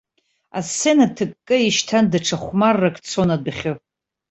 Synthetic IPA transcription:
asenatʰɨkʼːɨiʃtʰandaʈ͡ʂʰaχʷmarːakʰʼt͡sʰonadaχʲɨ

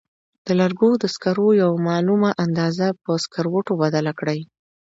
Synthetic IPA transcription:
d̪̥əlaɾɡod̪əskaɾojawmɑlumaʔand̪ɑzapəskaɾwoʈobad̪alakɽaj

